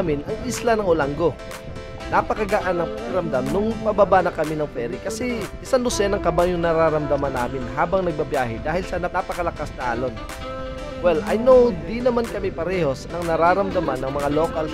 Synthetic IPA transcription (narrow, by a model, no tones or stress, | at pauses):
mɪnɐŋʔɪslanɐŋolaŋɡo̞ | nɐpɐkɐɡɐʔanɐŋpɐkɐɾɐmd̪amnʊŋpɐbabanɐkɐmɪnɐŋpɛːɾɪkɐsɛʔɪsand̪ʊsɛnɐŋkɐbajʊŋnɐɾaɾɐmd̪ɐmɐna̰ːmɪnɦaːbɐŋnɐɡ̚bɐbjaːɦɪd̪aːhɪlsɐnɐnapɐkɐlɐkasnɐʔa̰ːlon | wɛlʔɐ̰jnod̪inɐmankɐmɛpɐɾɛːho̞snɐŋnɐɾaɾɐmd̪ɐmanːɐŋmɐŋalo̞ːkɐl